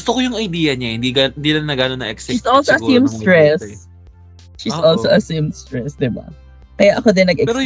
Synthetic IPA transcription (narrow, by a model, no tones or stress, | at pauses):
ɡʊst̪okojʊŋɐjd̪iːjɐɲahɪnd̪iɡnd̪ilɐŋnɐɡanonɐʔɛksɛsʔɔlsoɐsimst̪ɹɛs | ʃisʔolsoʔɐsimst̪ɹɛsd̪ɪba̰ | kɐjaʔɐkod̪ɛnːɐɡɛpɛɾo